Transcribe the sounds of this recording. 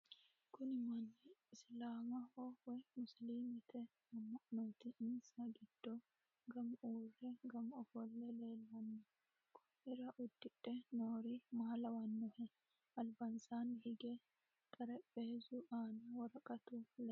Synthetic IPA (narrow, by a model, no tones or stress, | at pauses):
kʊnɪmɐnːɛɪslaːmɐhɔwɔjmʊsliːmɪt̪ʰɛ | ɐmːɐʔnɔːt̪ɪʔɪnsɐɡɪd̪̥ːo | ɡɐmʔuːrɛɡɐmɔfɔlːɛleːlwɐnːɐ | kʰʊ | ɪɾɐʔʊd̪ːɪᶑɛnoːɾimɐhɐlɐwɐnːɔhɛ | ɐlbɐnsanhɪɡɛ | kʼɐɾɛpʼːeːzʊʔaːnɐwɐɾɐkʼɐt̪ulɛ